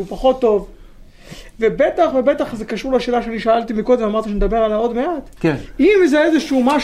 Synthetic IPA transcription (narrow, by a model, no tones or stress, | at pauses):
upaχo̞t̪ːo̞v | ve̞be̞t̪aχve̞be̞t̪aχzekaʃuʁleaʃe̞ːlaʃeaniʃaalt̪imiko̞d̪emamaʁt̪iʃened̪abe̞ʁalao̞d̪meat̪kimzeezeʃumaʃ